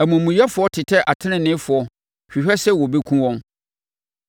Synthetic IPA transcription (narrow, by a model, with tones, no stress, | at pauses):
æ˨mũ˨mũ˨jɛ˦fʊ˨ɔ˦tʰɪ˨tʰɛ˦ʔa˨tʰɪ̃˦nɪ̃˨nɪ̃˦fʊ˨ɔ˦ | ɕᶣi˨ɕᶣɛ˦sɛ˦˨wɔ˨be˦kʰũ˦wɔ̃˦n